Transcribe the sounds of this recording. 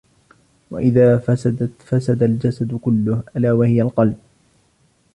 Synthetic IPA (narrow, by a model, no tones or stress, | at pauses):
wa̰ʔɪðaːfasad̪afasad̪ald͡ʒasad̪kʊlːʊhʔalaːwahɪjalqɑlb̚